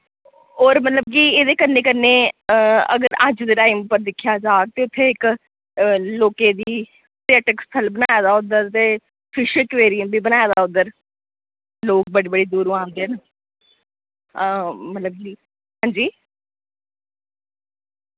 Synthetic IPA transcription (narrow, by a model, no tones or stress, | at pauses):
oːɾmət̪ləb̚kiːeːd̪eːkəɾneːkəɾneːəə̰ɡəɾə̰d͡ʒd̪eːʈaːɪmpəɾd̪ɪkʰːjaːd͡ʒaːk̚t̪eːʊt̪ʰːeːɪk | loːkeːd̪iː | tɪɛːʈəkst̪ʰəlbənaːjaːd̪aːʊd̪əɾt̪eː | pʰɪʃəkʋeːɾiəmbiːbənaːjaːd̪aːʊd̪əɾ | loːk̚bəɽiːbəɽiːd̪uːɾũːãːnd̪eːn | mət̪ləb̚kiː | ɦãːɲd͡ʒiː